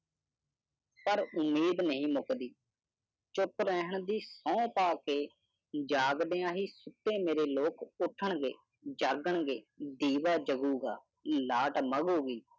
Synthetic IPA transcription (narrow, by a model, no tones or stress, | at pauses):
pəɾʊmiːd̪nəɦĩːmʊkd̪iː | t͡ʃʊpɾəɦəɳd̪iːsɔ̃ːpaːkeː | d͡ʒaːɡd̪ejãːɦiːsʊt̪ːẽːmeːɾeːloːkʊʈʰəɳɡḛː | d͡ʒaːɡəɳɡeːd̪iːʋaːd͡ʒəɡuːɡaː | laːʈməɡoːɡiː